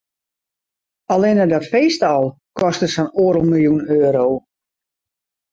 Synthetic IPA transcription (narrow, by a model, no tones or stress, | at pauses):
alˠɪnədɔtfeːstɔlˠ | kɔstəsənoːɾəlˠmilˠjunøːɾow